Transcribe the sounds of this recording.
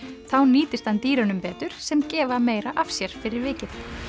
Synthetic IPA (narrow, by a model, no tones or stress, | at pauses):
θawniːt̪ɪst̪hant̪iːɾanʏmpɛːt̪ʏɾ̥sɛmcɛːvameːjɾaʔafsjɛɾ̥fɪɾɪɾvɪːcɪθ